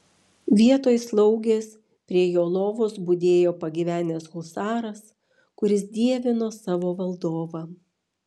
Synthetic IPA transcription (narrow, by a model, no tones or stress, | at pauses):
ʋʲiɛt̪oːjslˠɒʊɡʲeːs | pʲɾʲiɛjoːlˠoːʋoːsbʊd̪ʲeːjoːpɐɡʲiʋʲæːnʲɛshʊlˠsɑːɾɐs | kʊɾʲɪsd̪ʲiɛʋʲɪnoːsɑːʋoːʋɐlˠd̪oːʋɐ